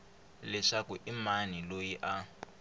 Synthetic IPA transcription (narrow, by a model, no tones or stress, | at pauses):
lɛʂakuʔimanilojiʔa